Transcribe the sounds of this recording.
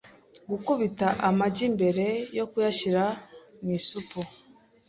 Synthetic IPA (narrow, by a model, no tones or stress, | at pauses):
ɡukuβitaʔamaɟimbe̞ɾe̞jo̞kujaʃiɾamisupu